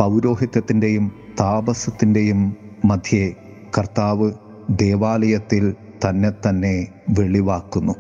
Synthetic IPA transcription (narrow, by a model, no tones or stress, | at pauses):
pɐwɾo̞ːɦit̪jɐt̪ːinde̞jumt̪aːbɐsɐt̪ːinde̞jumːɐd̪ʱje | kɐrt̪aːʋɨ | d̪e̞ːʋaːlɐjɐt̪ːil | t̪ɐnːe̞t̪ɐnːe̞ | ʋe̞ɭiʋaːkːunːu